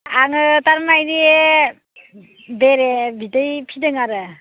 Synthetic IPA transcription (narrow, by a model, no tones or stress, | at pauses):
aŋɯtaɾmajɾi | beɾebitɯjpʰidɯŋaɾɯ